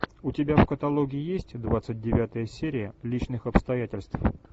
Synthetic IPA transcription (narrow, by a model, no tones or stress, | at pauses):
ʊtʲɪbʲafkət̪ɐlˠoɡʲɪɪjesʲtʲd̪vat̪sɨt̚ʲdʲɪvʲat̪əjəsʲeɾʲɪjəlʲit͡ɕnɨxɐpst̪ɐjætʲɪlʲst̪f